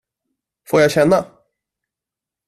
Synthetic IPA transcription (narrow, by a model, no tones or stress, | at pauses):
foːɾjaɪɕɛnːa